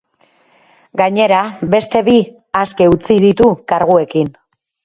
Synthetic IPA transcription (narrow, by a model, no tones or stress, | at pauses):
ɡaɲe̞ɾaβe̞st̪e̞βi | aske̞ut͡sið̞it̪ukaɾɣue̞kin